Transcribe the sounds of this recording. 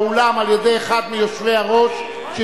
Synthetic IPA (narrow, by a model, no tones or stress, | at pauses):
olamaljede̞jeχad̪mijoʃvejaʁo̞ʃ | ʃe